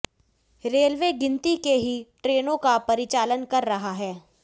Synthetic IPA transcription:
ɾeːlʋeːɡɪ̃nt̪ikeɦiʈɾeːnõkapɐɾɪt͡ʃaːlənkɐɾːɐɦaɦɛː

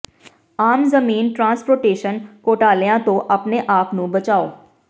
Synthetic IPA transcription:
aːmzəmiːnʈɾãːnspoːɾʈeːʃənkoːʈaːlejãt̪õʔəpneʔaːpnũːbət͡ʃaːoː

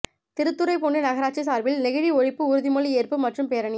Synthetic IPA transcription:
t̪ɪɾɯt̪ːɯɾɐɪpoːɳɖɯnɐɣɐɾaːt͡ʃːis̬aːɾʋɪlnɪɣɪɻiɔɻɪpːɯʊɾɯðimɔɭlieːrpɯmːɐʈrɯmpeːɾɐɳɪ

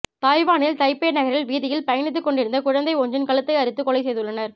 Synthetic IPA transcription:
t̪aːjʋaːnɪlt̪ɐɪpːeːnɐɣɐɾɪlʋiːðɪjɪlpɐjɐnɪt̪̬ːɯkːɔɳɖɪɾɯnd̪ɐkʊɻɐnd̪ɐɪoːɲd͡ʒɪnkɐɭɯt̪ːɐɪɐɾɯt̪ːɯkɔɭɐɪsɛjðɯɭːɐnɐɾ

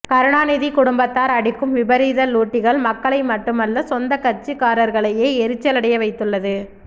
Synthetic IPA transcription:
kɐɾɯɳaːnɪðikʊɽʊmbɐt̪ːaːɾɐɽɪkːɯmʋɪbɐɾiːðɐluːʈːɪɣɐɭmɐkːɐɭɐɪmɐʈːɯmɐlːɐsɔnd̪ɐkɐɾt͡ʃːɯkaːɾɐɾɣɐɭɐjeːɛɾɯt͡ʃːɐlɐɽɐjɐʋɐɪt̪ːɯɭːɐðɯ

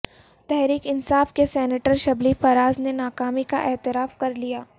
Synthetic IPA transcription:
t̪ɛɦɾiːkɪnsaːfkesɛːneʈəɾʃɐblifɐɾaːznenaːkaːmika̰ʔɛːt̪ɪɾaːfkɐɾlijaː

